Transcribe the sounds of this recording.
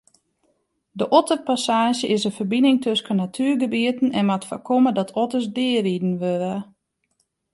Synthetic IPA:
dəʔɔtəpasaːʒjəʔɪsənfərbinɪŋtʰøskənatʰyːrɡəbiətən̩ɛnmatfa̰kʰomədɔtʰɔtəsdɪəridn̩ʋøɾə

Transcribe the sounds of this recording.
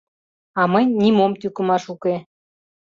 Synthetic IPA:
ɑmənʲnimomt̪ykə̆mɑʃuke

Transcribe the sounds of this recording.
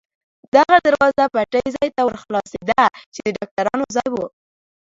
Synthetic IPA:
d̪aɣad̪aɾwɑzwapaʈəjzɑjt̪awɾxlɑsed̪at͡ʃed̪əɖɑk̚ʈaɾɑnozɑjwu

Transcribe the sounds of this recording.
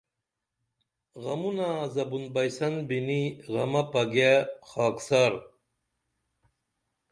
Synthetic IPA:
ɣɐmunazɐbunbɐjsɐnbiniɣɐmɐpɐɡexaːksaɾ

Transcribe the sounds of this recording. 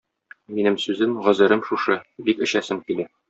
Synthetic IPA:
minɘmsʉzɘmʁɒ̆zɘ̆ɾɤmʃuʃɤbikɘ̆ɕæsɘmkilæ

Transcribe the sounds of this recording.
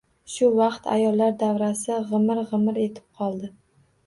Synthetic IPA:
ʃʊvɑqt̪ʰa̰jɒlːaɾd̪avɾasɪʁɨmɪɾʁɨmɪɾe̞t̪ʰɪ̥p̚qʰɒlˠd̪ɪ

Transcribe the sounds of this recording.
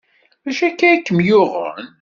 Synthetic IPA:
mæʃækːæikːəmjʊʁə̰n

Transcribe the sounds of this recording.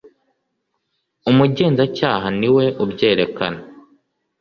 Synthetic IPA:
umuɟe̞ːnzacaːɦaniwe̞ʔubɟe̞ːɾe̞ka̰na

